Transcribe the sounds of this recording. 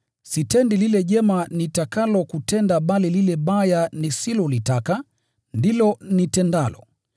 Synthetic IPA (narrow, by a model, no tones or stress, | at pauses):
sitɛndililɛʄɛmanitakalɔkutɛndaɓalililɛɓajanisilɔlitaka | ndilɔnitɛndalɔ